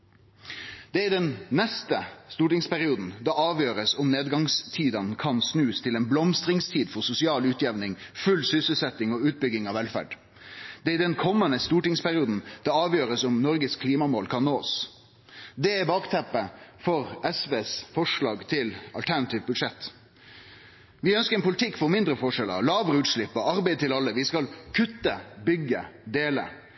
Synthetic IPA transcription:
d̪̥ɛæɪd̪ɛnnɛst̪əst̪uːʈɪŋspæʁɪuːd̪n̩d̪ɑɑːʋjøːɾəsʊmneːd̪ɡɑŋst̪ʰiːd̪ɑnkʰɑnsnʉːst̪ʰɪlɛːnblɔmst̪ɾɪŋst̪ʰiːd̪fɔʁsʊsɪɑːlʉːt̪ʰjɛʋnɪŋfʉlsʏsəlsɛt̪ːɪŋɔːʉːt̪̚bʏɡɪŋɑʋɛlfæ̰ɖ | d̪̥ɛæɾɪd̪ɛnkʰɔmːənəst̪uːʈɪŋspʰæʁɪuːd̪n̩d̪̥ɛɑːʋjøːɾəsɔmnɔɾɡəskʰliːmɑmoːlkʰɑnnoːs | d̪ɛɛbɑːkt̪ʰɛpːəfɔɾɛsʋeːsfɔʂɭɑːɡt̪ʰɪlɑ̰lt̪ʰæɾnɑt̪iːʋbʉd̪ʂɛt̪ː | ʋɪœnskəɾɛnpʊlɪt̪ʰɪkːfɔɾmɪnd̪ɾəfɔʂɛlə̰ɾlɑːʋəɾəʉːt̪ʂɭɪpːɔɑɾbæɪd̪̚t̪ʰɪlɑlːəʋɪskɑlkʰʉt̪ːəbʏɡːəd̪eːlə̰

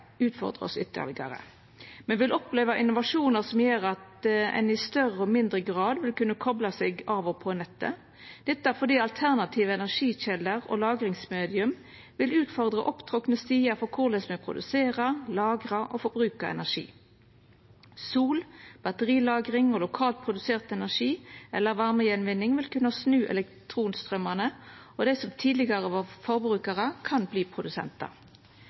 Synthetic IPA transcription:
ʉːt̪fɔ̰ʁd̪ʁə̰ɔ̰sʏt̪ːə̰lɪɡə̰ʁə̰ | mɛnʋɪlʔɔpleːʋɑʔɪnʊʋɑʂuːnəʁsɔmjøːɾɑt̪ɛ̰nɪst̪œʁəɔmɪnd̪ʁəɡʁɑːd̪ʋɪlkʉnːəkʰɔblɑsɛɡɑːʋɔpʰɔnɛt̪ːə̰ | d̪̥ɛt̪ːəæɾfɔd̪iːɑlt̪ʰæʁnɑt̪ʰiːʋəɛnæʁʂiːçɛlːəʁɔ̰lɑːɡɾɪŋsmeːd̪ɪʉm | ʋɪlʉːt̪fɔʁd̪ʁɑ̰ʔɔpt̪ʰʁɔknəst̪iːəfɔkʰʊʁd̪ɛsmɛpʰɾʊ̰d̪ʉ̰seːʁɑlɑːɡʁɑʔofɔbʁʉːkɑɛ̰næʂḭː | suːlb̥ɑt̪əʁiːlɑːɡʁɪŋolʊkʰɑːlt̪̚pʰʁʊd̪ʉseːʁt̪ɛnæʁʂiːɛlːəʁʋɑʁməjɛnʋɪnːɪŋʋɪlkʉnəsnʉːʔɛ̰lɛkt̪ʰʁuːnst̪ʁœmənə | ɔd̪æɪsɔmt̪ʰiːd̪lɪɡɑʁəʋɔʁfɔʁbʁʉːkəʁəkʰɑnbliːpʰʁʊd̪ʉsɛ̰nt̪ɑ̰

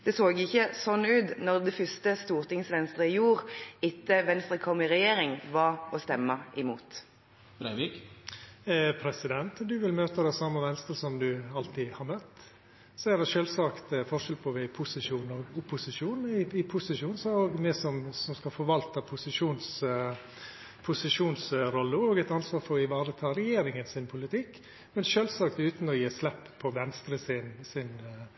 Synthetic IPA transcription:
d̪̥ɛsoːɡɪçːəsɔnːʉːt̪nɔʁd̪ɛfʏst̪əst̪uːʁt̪ɪŋsʋɛnst̪ɾəɪjuːɾɪt̪ːəʋɛnst̪ɾəkʰɔmːɪɾɛjeːɾɪŋʋɑɾɔst̪ɛmːəʔɪmṵːt̪ | bɾæɪʋik | pʰɾɛsɪd̪ɛnt̪d̪ʉʋɪlmøːt̪əd̪ɛsɑmːəʋɛnst̪əsɔmd̪ʉɑlt̪ɪhɑɾmœt̪ː | sɔæɾd̪ɛʃøːlsɑːkt̪fɔʂɛlpʰɔʋɛpʰʊsɪʂuːnɔɡʊpːʊsɪʂuːnɪɪpʰʊsɪʂuːnsɔoːɡmɛsɔmsɔmskɑfɔɾʋɑlt̪əpʰʊsɪʂuːns | pʰʊsɪʂuːnsɾɔlːəɔːɡɛt̪ɑnsʋɑːɾfɔɾɪʋɑːɾət̪ʰɑɾɛjeːɾɪŋənsɪnpʰʊlɪt̪ʰɪkː | mɛnʃøːlsɑːk̚t̪ʉːt̪nɔjiːslɛpːpʰːɔʋɛnst̪ɾəsɪnsɪn

